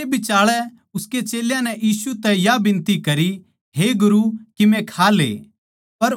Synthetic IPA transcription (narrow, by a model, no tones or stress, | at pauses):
ebɪt͡ʃaːɭɛ | ʊsket͡ʃeːljãnɛʔjiːsut̪ɛjabɪ̃nt̪ikɐɾi | ɦeɡʊɾukimɛ̃kʰaːlḛː | pɐɾ